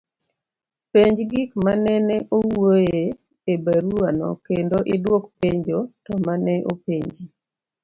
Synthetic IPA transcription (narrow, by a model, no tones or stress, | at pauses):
peɲd͡ʒɡikmanɛnɛʔowoje | ebaɾuanɔ̰kendoʔɪdwokpeɲd͡ʒotɔmanɛʔopeɲd͡ʒi